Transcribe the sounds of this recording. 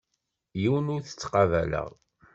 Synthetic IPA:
jiwənʊɾθə̥t͡sːqɑvælə̰ʁ

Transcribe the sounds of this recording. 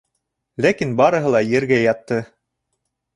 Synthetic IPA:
lækinbɑɾɤ̆ɦɤlˠɑjɘ̆ɾɡæjɑt̪ːɤ

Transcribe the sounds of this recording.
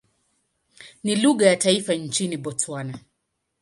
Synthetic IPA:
niluɣajataifant͡ʃiniɓɔt͡swana

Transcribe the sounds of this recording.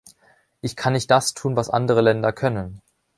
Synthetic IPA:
ʔɪçkʰanːɪçt̚d̥astʰuːnvasʔa̰ndəʁ̞əlɛndɐkʰœnən

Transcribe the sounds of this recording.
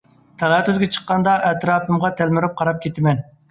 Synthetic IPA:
t̪ʰɛlˠɑt̪yzɡʲɛt͡ʃʰə̥qːɑnd̪ɑʔɛt̪ɾɑːpɨmʁɑt̪ʰælmɪɾup̚qʰɑɾɑp̚kʲʰet̪ʰɪmɛn

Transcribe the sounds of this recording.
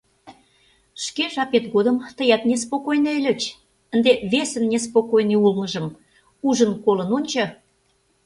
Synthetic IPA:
ʃkeʒɑpet̪ɣod̪əmt̪əjɑt̪nʲespokojnelʲə̆t͡ɕ | ə̆nd̪eβesənːʲes̬pokojneulnə̆ʒə̆m | uʒənkolənonʲt͡ɕɑ

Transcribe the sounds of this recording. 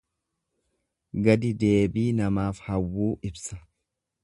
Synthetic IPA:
ɡɐd̪ɪd̪e̞ːbiːnɐmaːfhɐwːuːʔɪbsɐ̥

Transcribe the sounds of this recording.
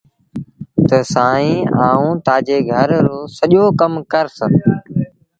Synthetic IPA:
t̪əsaːĩːaːũːt̪aːd͡ʒeːɡʱəɾːoːsəʄoːkəmkəɾsə

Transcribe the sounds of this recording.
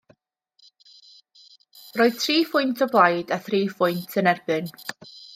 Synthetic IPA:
roːɨð̥tʰriːfʊjntʰɔblˠajdaθriːfʊjntʰənɛrbɨn

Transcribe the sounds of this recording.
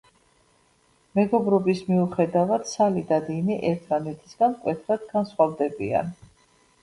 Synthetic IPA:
mɛɡɔbɾɔbismiuχɛd̪avad̪̥salid̪ad̪iniʔɛɾt̪ʰmanɛt̪ʰi̥sɡ̥ankʼwɛt̪ʰɾad̪̥ɡansχwavd̪ɛbia̰n

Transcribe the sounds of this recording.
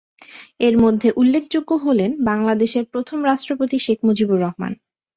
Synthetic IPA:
eɾmod̪ʱːeʔulːekʰd͡ʑoɡːoɦolenbaŋlad̪eʃeɾpɾot̪ʰomɾaʃʈɾopot̪iʃekʰmod͡ʑibuɾːɔɦma̰n

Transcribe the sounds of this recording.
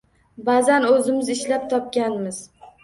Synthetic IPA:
bazanɵzɪmɪzɪʃlap̚t̪ʰɒp̚ɡʲanmɪz

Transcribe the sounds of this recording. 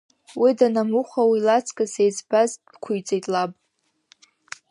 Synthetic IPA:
widanamuχʷawilat͡sʰʼkʼasejt͡sbaz̥ | kʷʰʊjt͡sʼejtʼlapʼ

